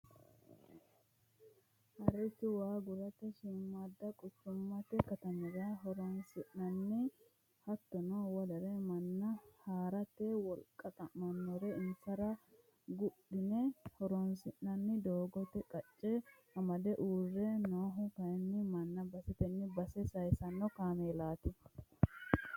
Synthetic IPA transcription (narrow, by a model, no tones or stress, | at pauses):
hɐɾɛt̪ːɪwaːɡʊɾɐt̪ːɛʃɪmːɐd̪ːɐkʼʊt͡ʃːʊmːɐt̪ɛkɐt̪ɐmɛɾaɦɔɾɔnsɪʔnɐnːɪ | hɐt̪ːɔnɔwɐd̪ɐɾɛmɐnːɐhaːɾɐt̪ːɛwɔlkʼːɐt̪ʼɐmɐnːɔɾɛɪnsɐɾɐ | ɡʊɗɪnɛhɔɾɔnsɪʔnɐnːɪd̪oːɡɔt̪ɛkʼɐt͡ʃʼːɛhɐmɐd̪ɛʔuːrːɛnoːɦʊkɐjɛnːɪmɐnːɐbɐsɛt̪ɛnːɪbɐsɛsɐjsɐnːɔkaːmeːlaːt̪ɪ